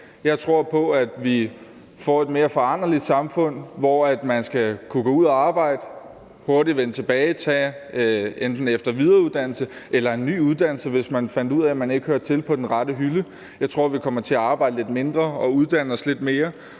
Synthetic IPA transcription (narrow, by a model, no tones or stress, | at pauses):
jɑ̈ɪt͡sʰʁo̝ɐ̰pʰɒ̽æd̥ʋi | fɒ̰e̝d̥me̝ːɐfɒ̽ɑ̈n̰ɐlid̥sɑ̈mfɔ̽n̰ʋɒæd̥mænsɡ̥ækʰuɡ̥ɔːuð̞̰ˠæɑ̈ːb̥ɑ̈ɪ̰d̥ə | ho̝ɐdiʋenət͡sʰe̝b̥ɛːɪt͡sʰɛ̰ː | end̥n̩efd̥ɐʋið̞ˠɐuðˠd̥æn̰l̩səʔelɐe̝nːy̰ːuð̞ˠd̥æn̰l̩səʋe̝smænfæn̰d̥uð̰ˠɛæmæne̝ɡ̥əhøɐt͡sʰe̝lpʰɒ̽d̥enʁɑd̥əɦylə | jɑ̈ɪt͡sʰʁo̝ɐ̰ʋikʰɒ̽mɐt͡sʰe̝æɑ̈ːb̥ɑ̈ɪd̥əle̝d̥me̝nd̥ʁɐɒ̽uðˠd̥æn̰əɒsle̝d̥me̝ːɐ